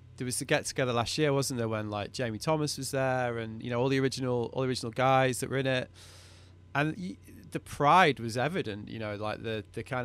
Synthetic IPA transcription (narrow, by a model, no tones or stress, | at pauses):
ðəwʌz̥tʰəɡɛtʰəɡɛðəlastjɪəwɒzə̃n̩ðəwə̃nlaɪk̚d̥ʒ̥ẽɪ̃mitʰɒməswɒzðəɹə̃njɨ̰ñoʊɔːlˠiəɹɪd͡ʒɨnəlˠɔ̰lˠiəɹɪd͡ʒənəl̩ˠɡaɪzðəʔwə˞ɪ̃nɪt | ʔə̃n | ðəpʰɹ̥aɪd̚wɒzɛvɪdə̃nʔjɨ̰noʊlaɪk̚ðɨðɨkʰãɪ̃n